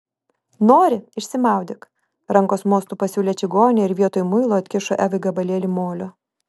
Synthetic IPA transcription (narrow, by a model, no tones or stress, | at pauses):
noːɾʲɪɪʃʲsʲɪmɑˑʊd̪ʲɪk | ɾɐŋkoːsmoːst̪uːpɐsʲuːlʲeːt͡ʃʲɪɡoːnʲeɪɾʋʲiɛt̪oːjmʊɪlˠoːɐt̪ʲkʲɪʃoʔæːʋɐɡɐbɐlʲeːlʲɪmoːlʲoː